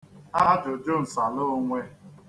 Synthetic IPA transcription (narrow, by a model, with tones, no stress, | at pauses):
a˦d͡ʒʊ˨d͡ʒo˦n̩˨sa˨lo˦ŋʷe˦